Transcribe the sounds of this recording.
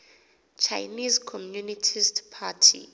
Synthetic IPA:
t͡ʃʰajnizkʰɔmjunitʰistpʰatʰḭ

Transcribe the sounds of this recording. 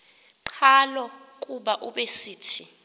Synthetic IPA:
ǀʰalɔ | kʼuɓaʔuɓesiːtʰi

